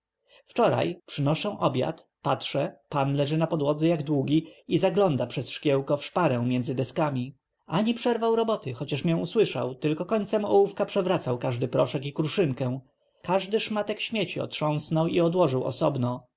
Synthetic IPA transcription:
ft͡ʂɔɾa̰jpʂɘnɔʂɛ̃ʔɔbʲja̰t̪patʂɛpanlɛʐɘnapɔd̪wɔd̪zɛjaɡd̪wuɡʲiizaɡlɔnd̪apʂɛsʂkʲjɛwkɔfʂpaɾɛ̃w̃mʲjɛnd̪zɘd̪ɛskamʲi | ʔaɲipʂɛɾvawɾɔbɔt̪ɘxɔt͡ɕaʂmʲjɛ̃w̃uswɘʂa̰wt̪ɘlkɔkɔɲʲt̪sɛmɔwufkapʂɛvɾat̪sawkaʐd̪ɘpɾɔʂɛkikɾuʂɘŋkɛ̃w̃ | kaʐd̪ɘʂmat̪ɛkɕmʲjet͡ɕiɔ̰t̪ʂɔ̃w̃snɔwiɔd̪wɔʐɘwɔ̰sɔbnɔ

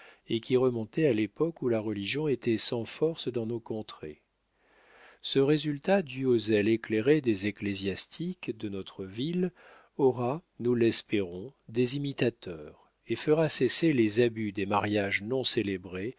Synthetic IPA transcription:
ekʲiʁəmɔ̃t̪ɛalepɔkulaʁəliʒjɔ̃et̪ɛsɑ̃fɔʁsd̪ɑ̃nokɔ̃t̪χḛ | səʁezylt̪ad̪yozɛlekleʁed̪ezeklezjast̪ʰikd̪ənɔt̪χəvil | ɔʁanulɛspeʁɔ̃d̪ezimit̪at̪œʁ | efəʁaseselezabyd̪emaʁjaʒnɔ̃selebʁe

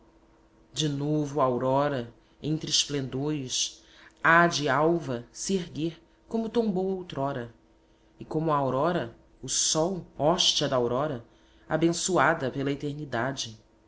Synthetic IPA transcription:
d͡ʒɪnovʊuawɾɔɾɐ | ẽnt̪ɾɪsplẽnd̪oɾɪʃ | ad͡ʒɪawvɐseɦɡeɾ | kõmʊt̪õbowowt̪ɾɔɾɐ | ɪkõmʊɐaawɾɔɾɐ | ʊsɔwɔʃt͡ʃiɐd̪ɐawɾɔɾɐ | a̰bẽsuad̪ɐpelɐet̪eɾnid̪ad͡ʒɪ

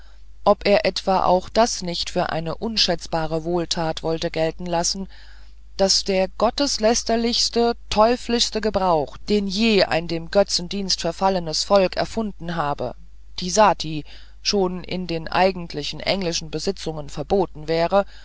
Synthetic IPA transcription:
ʔɔpʔeːɐʔɛtv̥aːʔa̰ʊxd̥asnɪçtfyːɐʔa̰ɪnəʔʊnʃɛt͡sb̥aːʁ̞əvoːltʰaːtv̥ɔltəɡɛltn̩lasn̩ | d̥asd̥eːɐɡ̥ɔtəslɛstɐlɪçstətʰɔʏflɪçstəɡəbʁaʊxd̥eːnjeːʔa̰ɪndeːmɡœt͡sn̩diːnstfɛɐfalənəsfɔlkɛ̰ɐfʊndn̩ɦaːbə̰ | d̥iːzaːtʰiː | ʃoːnɪ̰ndeːnʔa̰ɪɡŋn̩tʰlɪçn̩ʔɛ̰ŋlɪʃn̩bəzɪt͡sʊŋənfɛɐboːtn̩vɛːʁə

